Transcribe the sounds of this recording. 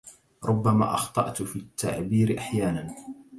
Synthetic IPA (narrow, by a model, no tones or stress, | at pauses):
ɾˤʔʊbːama̰ːʔɑxt̪ˤɑ̰ʔt̪fiːt̪ːa̰ʕbiːɾɪʔaħjaːnan